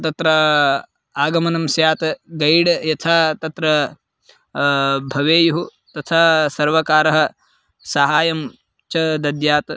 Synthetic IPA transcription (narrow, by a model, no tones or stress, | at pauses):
t̪ɐt̪ɾɐ | aːɡɐmɐnɐmsjaːt̪ɡɐjɽjɐt̪ʰaːt̪ɐt̪ɾɐ | bʱɐʋeːjuɦu | t̪ɐt̪ʰaːsɐɾʋɐkaːɾɐɦɐ̆ | sɐɦaːjɐm | t͡ʃɐd̪ɐd̪jaːt̪